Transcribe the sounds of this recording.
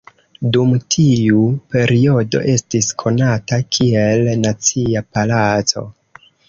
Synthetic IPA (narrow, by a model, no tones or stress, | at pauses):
dumtʰiupe̞ɾio̞do̞̰ʔe̞stiskʰo̞natakʰie̞lnat͡siapalat͡so̞̰